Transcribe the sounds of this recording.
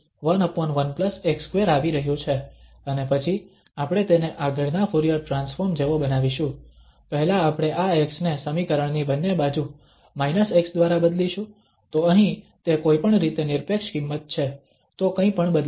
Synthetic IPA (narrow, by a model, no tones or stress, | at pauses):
ʋənɔpənʋənpləsekskʋeɾaʋiɾəɦjũt͡ʃʰe | ənepət͡ʃʰi | apɽ̃et̪eneʔaɡʱəɭnafʰuɾijəɾʈɾãnsfoɾmd͡ʒeʋobənaʋiʃũ | pəɦɛlaːpɽ̃eʔaeksnesəmikəɾəɳ̃nibənːebad͡ʒu | mainəseksd̪ʋaɾabəd̪liʃũ | t̪oəɦĩ | t̪ekoipəɳɾit̪enɪɾpekʃkimːət̪̚t͡ʃʰe | t̪okə̃ĩpəɳbəd̪l